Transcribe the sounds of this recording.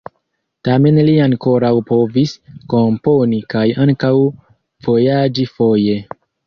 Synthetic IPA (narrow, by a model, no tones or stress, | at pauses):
tame̞nliaŋko̞ɾawpo̞visko̞mpo̞nikajaŋkaw | v̥o̞jad͡ʒifo̞je̞